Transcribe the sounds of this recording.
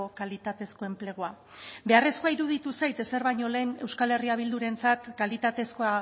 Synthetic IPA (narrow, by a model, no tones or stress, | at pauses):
okalit̪at̪e̞sko̞e̞mple̞ɣ̞oa | be̞are̞skoaiɾuð̞it̪usajt̪e̞se̞ɾβajɲo̞le̞ːne̞wskale̞riaβ̞ild̪uɾe̞nt͡sat̪kalit̪at̪e̞sko̞a